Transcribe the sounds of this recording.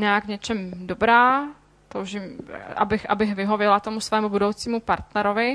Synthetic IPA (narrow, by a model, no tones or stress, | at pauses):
ɲaakɲɛt͡ʃɛmdobɾaː | t̪owʒɪm̰ʔa̰bɪxʔabɪxvɪɦo̞vjɛlat̪o̞musvɛːmubudo̞wt͡siːmupaɾt̪nɛɾovɪ